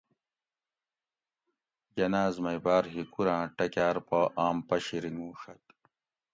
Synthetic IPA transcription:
jɐnaːzmɐjbaːɾɦikuɾãːʈɐkʲaːɾpoʔaːmpɐɕiɾiŋɡũːʂɐt̪

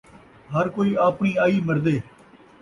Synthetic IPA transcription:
ɦəɾkoːiːaːpɳiːaːiːməɾd̪eː

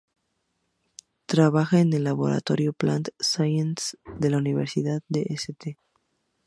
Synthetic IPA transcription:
t̪ɾaβaxaenelːaβo̞̰ɾa̰t̪oɾjoplant̪sajensd̪e̞launiβ̞eɾsiðaðd̪eʔeset̪e

